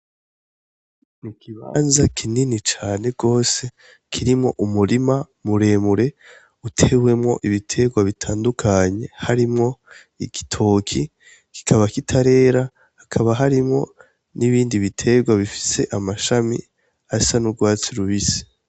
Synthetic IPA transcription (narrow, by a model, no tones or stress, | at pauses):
nikʰiβa̰nzakʰininit͡ʃaːne̞ɡo̞ːse̞ | kʰiɾimŋo̞̰ʔumuɾima | muɾe̞ːmuɾe̞ | utʰe̞we̞mŋo̞̰ʔiβitʰe̞ɡwaβitʰaːndukʰaɲe̞haɾimŋo̞ | ḭɡitʰo̞ːkʰi | ki̥kʰaβakitʰaɾe̞ːɾa | hakʰaβaɦaɾimŋo̞̰ | niβiːndiβitʰe̞ɡwaβifi̥se̞ʔamaʃamḭ | asanuɡwaːt͡siɾuβisi̥